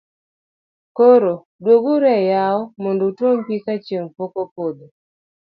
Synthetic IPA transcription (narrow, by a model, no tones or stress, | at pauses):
koɾo | dwoɡuɾɛjaɔmondotompikat͡ʃjeŋpokopod̪o